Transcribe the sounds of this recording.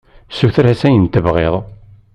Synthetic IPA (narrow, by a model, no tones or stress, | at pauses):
suθɾæsæjənt̪əvʁḛðˤ